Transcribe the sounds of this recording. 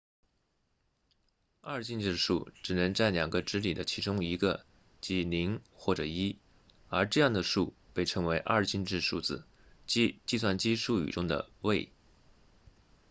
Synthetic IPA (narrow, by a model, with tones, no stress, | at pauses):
ɐ˥˧t͡ɕi˥˧nʈ͡ʂɻ̩˥˩ʂṵ˥˩ʈ͡ʂɻ̩˨˩nɤ˧˥ŋt͡sa˥˩ɪljɑ˨˩ŋɡə˦ʈ͡ʂɻ̩˥li˨˩d̪ə˦t͡ɕʰi˧˥ʈ͡ʂʊ˥ŋi˧˥ɡə˧ | t͡ɕi˧˥li˧˥ŋxwɔ˥˩ʈ͡ʂɤ˨˩i˥ | ə˞˧˥ʈ͡ʂɤ˥˧jɑ˥˩ŋd̪ə˩ʂu˥˧˩pe˥˩ɪʈ͡ʂʰɤ˧˥ŋwe˧˥ɪʔɐ̰˥˧t͡ɕi˥˧nʈ͡ʂɻ̩˥˧ʂu˥˩d͡zɹ̩˨˩ | t͡ɕt͡ɕi˥˧s̬wa˥˩nt͡ɕi˥ʂu˥˩y̰˨˩ʈ͡ʂʊ˥ŋd̪ə̰˧we˥˩ɪ